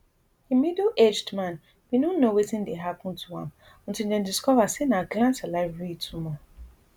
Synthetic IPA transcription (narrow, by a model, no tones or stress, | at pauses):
imidoʔed͡ʒdmãn | widɔ̃nːowetĩndeɦapɔ̃ntʰuã̰m | ɔ̃ntĩldɛ̃ndiskɔvasenaɡlãnsalaɪfɹitʰumɔ